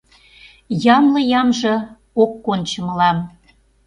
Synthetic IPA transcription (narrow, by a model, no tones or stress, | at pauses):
jɑmlɤjɑmʒɤ̆ | okːont͡ɕəməlɑm